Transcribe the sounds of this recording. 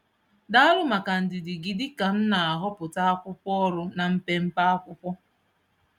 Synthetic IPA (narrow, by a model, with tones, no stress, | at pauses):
da˦a˦ɾʊ˦ma˨ka˨n̩˨dɪ˨dɪ˨ɡi˨dɪ˦ka˨n̩˦na˨a˨ɦɔ˦pʊ˨ta˦a˦kʷʊ˦pɔ˦ɾʊ˦na˨m̩˦pe˦m̩˦pa˦a˦kʷʊ˦pʷɔ˦